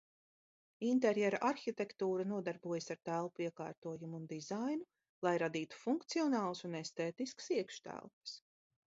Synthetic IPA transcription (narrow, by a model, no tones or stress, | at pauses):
int̪̬eɾjɛɾaʔaɾxit̪ekt̪uːɾanuɔd̪aɾbuɔjəsaɾt̪ælˠpuiɛka̰ːɾt̪uɔjumuːnd̪izajnu | lˠajɾad̪iːt̪u̥fuŋkt̪siɔnaːlˠɐsunest̪eːt̪iskə̥siɛkʃt̪æ̰lˠpɐ̥s